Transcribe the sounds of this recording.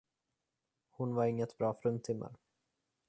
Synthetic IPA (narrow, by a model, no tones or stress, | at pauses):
hʊnvaɾɪŋːət̪bɾɑːfɾɵnt̪ʰɪmːa̰ɾ